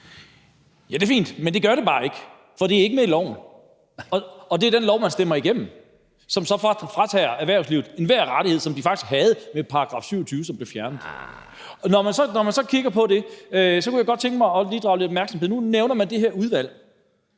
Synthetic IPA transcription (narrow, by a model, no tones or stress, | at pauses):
jæd̥e̝fḭːnd̥mend̥e̝ɡ̥ɶɐɾ̥e̝b̥ɑ̈ːe̝ɡ̥ | fɒ̽d̥iæɐe̝ɡəmeilɒʊ̰n̩ | ɒɒ̽d̥e̝æɐd̥enlɒʊmænsd̥emɐiɡ̥em̰m̩ | sɒ̽msɒ̽ffʁɑ̈t͡sʰɛ̰ːɐʔæɐʋæɐsliːʊð̩ˠe̝nʋæɐ̰ʁɑɾ̥ihe̝ð̰ˠsɒ̽md̥ifɑ̈ɡ̥i̥sɡ̥hæð̞̩ˠmepʰɑ̈ɑɡ̥ʁɑ̰̈ːfsyʊɐt͡sʰyːʋsɒmb̥le̝fjæɐnð̩ˠ | ɒnɒmænsɒ̽nɒmænsɒ̽kʰiɡ̥ɐpʰɒ̽ɾ̥e̝øsɒ̽kujæɡɒ̽d̥̚t͡sʰeŋɡ̥əmɑ̈ɪɒ̽liːd̥ʁɑ̈ʊle̝ɾɒb̚mæɐɡsɒmeð̰ˠnuneʊnɐmænd̥e̝ɦæɐuð̞ˠʋæl̰